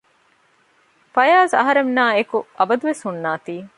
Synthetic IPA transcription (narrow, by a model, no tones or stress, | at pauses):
fɐjaːzɐ̰ɦɐɾemnaːekuʔɐbɐd̪uʋeshunːaːt̪iː